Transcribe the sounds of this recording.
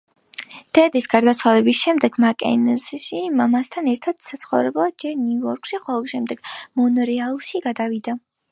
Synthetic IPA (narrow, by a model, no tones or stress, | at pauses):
d̪̥ɛd̪isɡaɾd̪at̪sʰwalɛbisʃɛmd̪ɛɡ̥makʼɛ̰nzʃimamast̪ʰanɛɾt̪ʰad̪̥sat̪sʰχɔvɾɛblˠad̪̚d͡ʒɛɾnuɔɾkʼʃiχɔvɔʃɛmd̪ɛɡ̥mɔnɾɛalˠʃiɡad̪avid̪a